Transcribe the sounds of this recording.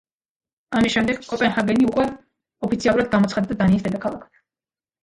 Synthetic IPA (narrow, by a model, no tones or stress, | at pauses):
amisʃɛmd̪ɛɡkʼɔpʼɛnhaɡɛniukʼwɛ | ɔpʰit̪sʰialˠuɾad̪̚ɡamɔt̪sʰχad̪d̪ad̪aniːsd̪ɛd̪akʰalˠakʰt̪ʰ